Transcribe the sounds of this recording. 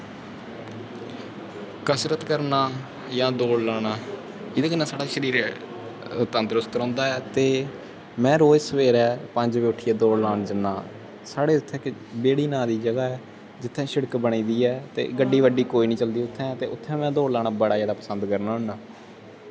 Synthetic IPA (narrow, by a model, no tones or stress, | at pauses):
kəsɾət̪kəɾnaː | jãːd̪oːɽlaːɽaː | ɪd̪eːkɪnaːsaːɽaːʃəɾiːɾ | ʊt̪ːãːnd̪ɾʊst̪ɾɔ̃ːnd̪aːɛːt̪eː | mɛ̃ːɾoːd͡ʒsəʋeːɾɛːpəɲd͡ʒʋeːʊʈʰːiːɛːd̪oːɽlaːnd͡ʒənːaː | saːɽeːʊt̪ʰːɛ̃ːkbeːɽiːnãːd̪iːd͡ʒəɡaːɛː | d͡ʒɪt̪ʰːɛ̃ːʃəɽəkbəɽ̃iːd̪iːɛːt̪ḛːɡəɖiːʋəɖiːkoːiːnĩːt͡ʃəld̪iːʊt̪ʰːɛ̃ːt̪eːʊt̪ʰːɛ̃ːmɛ̃ːd̪oːɽlaːɳaːbəɽaːjaːd̪aːpəsənd̪kəɾnaːɦʊɳaː